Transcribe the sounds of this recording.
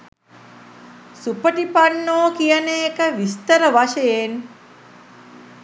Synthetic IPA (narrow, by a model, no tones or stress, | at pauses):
supəʈipanːoːkijəneːkəʋist̪əɾəʋaʃəjen